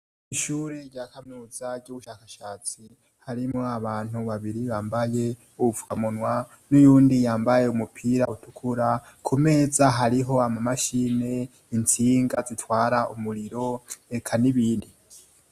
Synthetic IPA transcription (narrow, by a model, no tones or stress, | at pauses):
iʃuːɾe̞ɾɟaːkamuzaɾɟuβuʃaːkaʃaːt͡si | haɾimoaβaːn̥huβaβiɾiβaːmbaje̞ | uβuvu̥kamunwa | nujuːndijaːmbaje̞umupʰiːɾautukʰuɾa | kʰume̞ːzaɦaɾiɦo̞amamaʃiːne̞ | int͡siːŋɡazitwaːɾaumuɾiɾo̞ekʰaniβiːndi